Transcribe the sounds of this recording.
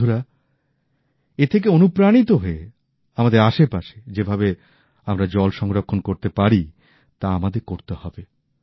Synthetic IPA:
uɾa | et̪ʰek̬eonupɾanit̪oɦoe | amad̪eɾaʃepaʃe̥d͡ʑebʱabe | amɾad͡ʑɔlʃɔŋɾokʰːonkoɾt̪epaɾi | t̪aamad̪eɾkoɾt̪ehɔbe

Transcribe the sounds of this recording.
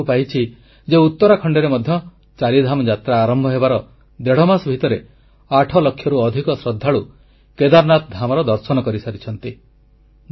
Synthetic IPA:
pajt͡ʃʰi | d͡ʒeut̪ːɔɾakʰɔɳɖeɾemɔd̪ʱjɔ | t͡ʃaɾid̪ʱamɔd͡ʒat̪ɾaːɾɔmbʱɔɦebaɾɔ | d̪eɽ̤ɔmasbʱit̪ɔɾe | aʈʰɔlɔkʰjɔɾuɔd̪ʱikɔsɾɔd̪ʱːaɭu | ked̪aɾnat̪ɔd̪ʱamɔɾɔd̪ɔɾsɔnɔkɔɾisaɾit͡ʃʰɔnt̪i

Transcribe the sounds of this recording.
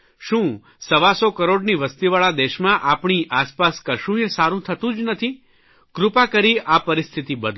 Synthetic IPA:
ʃũ | səʋasokəɾoɽniʋəst̪iʋaɭad̪eʃmãʔapɳ̃iʔaspaskəʃũesaɾũt̪ʰət̪ũd͡ʒnət̪ʰi | kɾʊpakəɾiʔapəɾist̪ʰit̪ibəd̪ʱ

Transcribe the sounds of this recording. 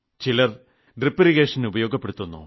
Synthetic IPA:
t͡ɕilɐr | ɖripːɐɾiɣeːʂɐnubɐjo̞ːɡɐpːe̞ɽut̪ːunːṵ

